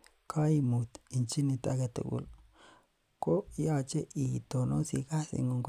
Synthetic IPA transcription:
kʰa˦i˧mu˨t̪i˨nt͡ʃi˦ni˧t̪a˧ɡe˧t̪o̰˨ɡṵ˧˨l | ko˦ja˧t͡ʃe˦ʔi˨t̪o˨no˦sḭ˧ka˦sḭ˧ŋɡo˧ŋk

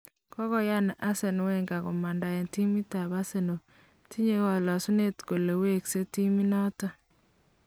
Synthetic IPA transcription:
kɔ˦kɔ˦ja˦n˨ʔa˦se˨n˨wɛ˦ŋɡa˨kɔ˨ma˨nda˨jɛ˨nti˦mi˦ta˨βa˦se˨no˨ | ti˦ɲe˦kɔ˨lɔ˨su˦ne˦tko˨le˨we˦kse˦ti˦mi˦nɔ˦ta˦

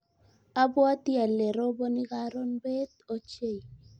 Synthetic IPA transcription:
a˦bɔ˦a˦t̪i˦a˨le˨ɾo˦bo˦nɪ˦ɡa˦ɾo˦nbe˦t̪o˦t͡ʃe˦˨i˨

